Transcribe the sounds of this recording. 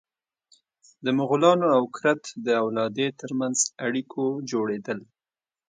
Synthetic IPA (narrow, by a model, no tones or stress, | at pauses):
d̪əmʊɣʊlɑnoawkɾat̪d̪əawlɑd̪et̪əɾmanzaɽikʰod͡ʒoɽed̪əl